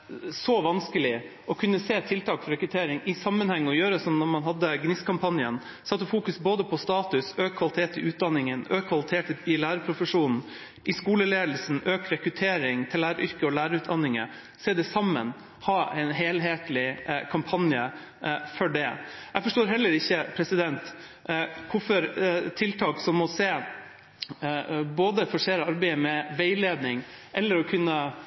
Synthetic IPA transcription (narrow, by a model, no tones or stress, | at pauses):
sɔʋɑnskəlɪ | ʔɔkʰʉnːəseːt̪ʰɪlt̪ʰɑːkfɔɾɛkɾʉt̪ʰeːɾɪŋɪsɑmːənhɛŋːəɔjøːɾəsɔmnɔɾmɑnɦɑd̪ːəɡnɪskʰɑmpʰɑnjən | sɑt̪ːəfuːkʉsboːd̪əpʰɔst̪ɑːt̪ʉsøːkʰːʋɑlɪt̪ʰeːt̪ɪʔʉːt̪̚d̪ɑnːɪŋənøːkʰːʋɑlɪt̪ʰeːʈɪlæːɾəpʰɾʊfəʂuːnn̩ | ʔɪskuːləleːd̪l̩sn̩øːkɾɛkɾʉt̪ʰeːɾɪŋt̪ʰɪlːæːɾəɾʔʏɾkəɔlæːɾəʉːt̪̚d̪ɑnːɪŋə̰ | seːd̪ɛsɑmːə̰n | hɑːɛɪnɦeːlɦeːt̪lɪkʰɑmpʰɑnjə̰ | fɔɖɛjɛɡfɔʂʈoːɾɦɛlːəɾɪçːəpʰɾɛsɪd̪ɛnt̪ | kʰʊfɔɾt̪ʰɪlt̪ʰɑːksɔmːɔseː | boːd̪əfɔʂeːɾəɑɾbæɪəmɛʋeɪleːd̪nɪŋʔɛlːəɾɔkʰʉnːə